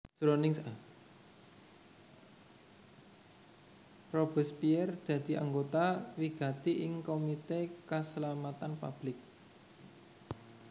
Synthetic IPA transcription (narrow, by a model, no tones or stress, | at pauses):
d̥ɾonɪŋsa | rob̥ə̤spiɛrd̪̥ä̤d̪̥i̤ʔa̰ŋɡot̪awiɡ̥ä̤t̪iʔɪŋkomit̪ekəslamat̪anpa̰b̥lɪk̚